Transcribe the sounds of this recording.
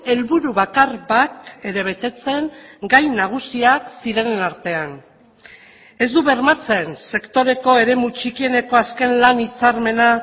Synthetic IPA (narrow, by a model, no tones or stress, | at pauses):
e̞lβuɾuβakarβake̞ɾe̞β̞e̞t̪e̞t͡se̞ŋɡajnaɣ̞usiaksiɾe̞nnaɾt̪e̞an | e̞zd̪uβe̞ɾmat͡se̞nse̞kt̪o̞ɾe̞ko̞e̞ɾe̞mut͡ʃikie̞ne̞ko̞aske̞nlanit͡saɾme̞na